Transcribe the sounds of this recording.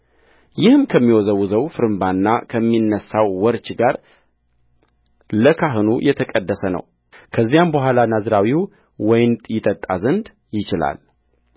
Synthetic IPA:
jɪhɨmkʰəmːiwɔzəwuzəwfɨɾɨmbanːakʰəmːinːəsːawːɔɾt͡ʃɡaɾ | ləkʰaɦɨnṵjɛt̪ʰəkʼəd̪ːəsənə̰w | kʰəzːijambəɦʷalanazɾawiw | wɔjnt̪ʼjɪt̪ʼət̪ʼazɨnd̪ | jɪt͡ʃɪla̰l

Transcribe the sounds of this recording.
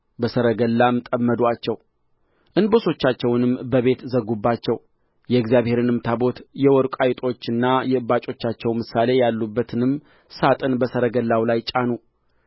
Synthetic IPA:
bəsəɾəɡəlːamɨt̪ʼəmːəd̪wat͡ʃːɛw | ʔɨnboso̞t͡ʃːat͡ʃːɛwnɨmbəβe̞t̪zəɡːubːat͡ʃːɛw | jɛɨɡzijaβhe̞ɾɨnɨmt̪ʰabo̞t̪jɛwɔɾkʷʼajt̪ʼo̞t͡ʃːɨnːajɛɨbat͡ʃʼo̞t͡ʃːat͡ʃːɛwmɨsale̞jalːubːət̪ʰɨnɨm | sat̪ʼɨnbəsəɾəɡəlːawlajt͡ʃʼanu

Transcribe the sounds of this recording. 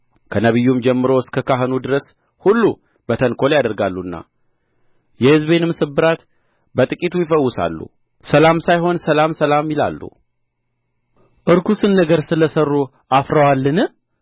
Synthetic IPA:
kʰənəβɨjːumd͡ʒɛmːɨɾo̞skʰəkʰaɦɨnud̪ɨɾəs | hulːu | b̥ət̪ʰənkʰo̞ljad̪əɾɡalːuɨnːa̰ | jɛhɨzbe̞nɨmsɨbɨɾat̪ | bət̪ʼɨkʼit̪ʰujɪfəwːʊsa̰lːṵ | səlamsajɦo̞nsəlamsəlamjɪla̰lːṵ | ʔɨɾkʰusɨnːəɡəɾsɨləsərːu | ʔafɾəwalːɨnɨ

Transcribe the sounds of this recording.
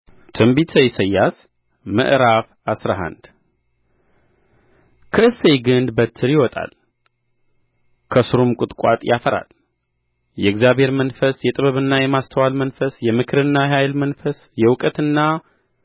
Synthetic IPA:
t̪ʰɨmbit̪ʰəjsəjːas | mə̰ʔɾaf | asɾaɦa̰nd̪ | kʰəɨsejɡɨnd̪bət̪ʰːɨɾjɪwɔt̪ʼa̰l | kʰəsɨɾumkʼɨt̪ʼkʷʼa̰t̪ʼjʔafəɾa̰l | jɛɨɡzjaβhe̞ɾmənfəsjɛt̪ʼɨβəβɨnːajɛmast̪ʰəwalmənfəsjɛmɨkʰɨɾɨnːaɦajlmənfəs | jɛwʊkʼət̪ɨnːa

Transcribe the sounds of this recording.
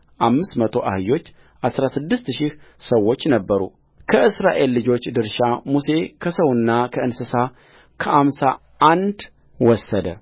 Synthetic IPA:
ʔamːɨst̪mət̪ʰo̞ʔahɨjo̞t͡ʃː | ʔasɾasɨd̪ːɨst̪ʃɪhsəwːot͡ʃːnəbːəɾṵ | kʰəɨsɾaʔe̞lːɨd͡ʒo̞t͡ʃːd̪ɨɾʃamuse̞kʰəsəwɨnːakʰəɨnsɨsa | kʰəʔamsa | ʔand̪ | wɔsːəd̪ə̰

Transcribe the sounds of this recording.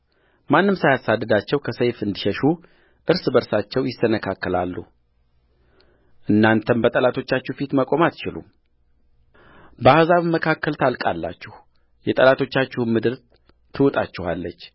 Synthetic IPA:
manːɨmsajasad̪ːəd̪at͡ʃːɛwkʰəsəjfɨnd̪iʃəʃu | ʔɨɾsbəɾsat͡ʃːɛwjɪsənəkʰakːəlalːṵ | ʔɨnːant̪ʰənbət̪ʼəlat̪ʰo̞t͡ʃːat͡ʃːufit̪məkʼo̞mat̪t͡ʃɪlṵm | bəahzaβməkʰakːəlt̪ʰalkʼa̰lːa̰t͡ʃːɛh | jɛt̪ʼəlat̪ʰo̞t͡ʃːat͡ʃːɪhnmɨd̪ɨɾ | t̪ʰɨwut̪ʼa̰t͡ʃːɛhalːət͡ʃː

